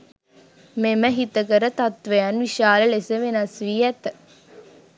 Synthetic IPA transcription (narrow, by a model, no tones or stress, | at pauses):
meməɦit̪əkəɾət̪ɐt̪ʋejɐnʋiʃaːləlesəʋenɐsʋijɛt̪ə